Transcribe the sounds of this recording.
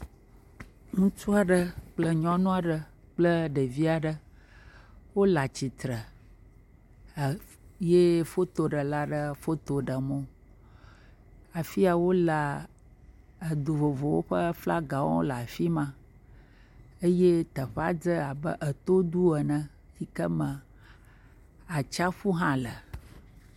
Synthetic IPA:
ŋũ˦t͡ʃu˦a˨ɖə˦k͡plə˦ɲɔ̃˦nũ˦a˨ɖə˨ | k͡plə˦ɖə˨vi˦a˨ɖə˦ | wo˦la˨t͡ɕi˨t̪ɾə˨ | je˦fo˦t̪o˨ɖə˨la˦ɖə˦fo˦t̪o˨ɖə˨mõ˦ | a˨fi˦a˨wo˦la˨ | ə˨d̪u˨vo˨vo˨wo̰˦ɸə˦fla˦ɡa˨wɔ̰̃˦o̰˦la˨fi˦mã˦ | ə˦je˦t̪ə˨ɸa˦d͡zə˦a˨bə̰˦ʔə˨t̪o˦d̪u˦ə˨nə̃˦ | si˦kə˦mə̃˨ | a˨t͡ʃa˦ɸu˦ɦã˦lə˨

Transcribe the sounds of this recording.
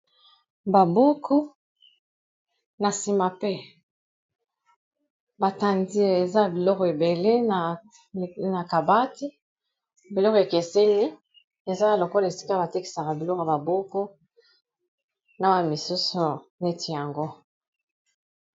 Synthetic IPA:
ba˨bo˦kʰu˦ | na˨si˦ma˨pe˦ | ba˨ta˦ndi˦˨e˨za˦˨bi˨lɔ˦ke˨be˨le˦na˨ | na˨ka˨ba˦ti˦ | bi˨lɔ˦ke˨ke˨se˦li˦ | e˨za˦˨lo˨kɔ˦la˨e˨si̥˦ka˦ba˨te˦ki̥˨sa˨ka˨bi˨lɔ˦ka˨ba˨bo˦ko˦ | na˦wa˦n˨mi˨su˦su˨na˨e˦tʰi˨ja˨ŋɡo˦

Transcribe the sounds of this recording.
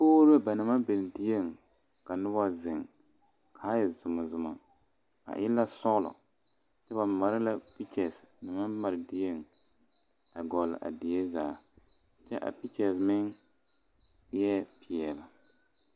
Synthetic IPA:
poː˦ɾa˦ba˨nɪ˨ma˦be˨n˨dɪ˦je˦ŋ | ka˨nʊ˦ba˦zɪ˨ŋ | kʰaː˨˦jɛ˨zʊ˨ma˨zʊ˨ma̰˨ | a̰˨ʔɪ˦la˦sɔ˦ɣlɔ̰˨ | t͡ʃɛ˦ba˨ma˨ɾɪ˦la˦pi˦t͡ʃɛ˨snɪ˨ma˦ma˨ɾɪ˨dɪ˦je˦ŋ | a˨ɡɔ˨lɪ̰˨ʔa̰˨dɪ˨je˦zaː˨ | t͡ʃɛ˦ʔa̰˨pi˦t͡ʃɛ˨smɪ˦ŋ˦ | jɛ˦pʰɪ˨ɛ˨la˨

